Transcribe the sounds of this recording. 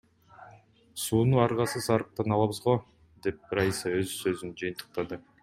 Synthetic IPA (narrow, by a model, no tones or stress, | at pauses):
suːnuɑɾʁɑsɯsɑɾɯq̚t̪ɑnɑlˠɑβɯzʁo | d̪e̞p̚ɾajisɑø̞zsø̞zynd͡ʒɯjɨnt̪ɯ̥q̚t̪ɑd̪ɯ